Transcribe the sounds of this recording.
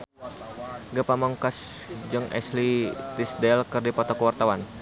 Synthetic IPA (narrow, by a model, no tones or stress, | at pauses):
ɡəpamɔŋkasd͡ʒəŋɛ̰slit̪isdɛlkɨrdipɔt̪ɔkəwart̪awan